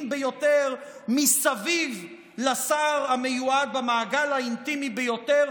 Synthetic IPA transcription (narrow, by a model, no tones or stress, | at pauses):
mbejo̞t̪eʁmisaviv | lasaʁamejuad̪̚bamaːɡalhaint̪imibejo̞teʁ